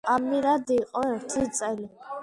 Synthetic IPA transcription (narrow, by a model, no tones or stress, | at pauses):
amiɾad̪iːqʼɔɛɾt̪ʰit͡s̪ʼɛli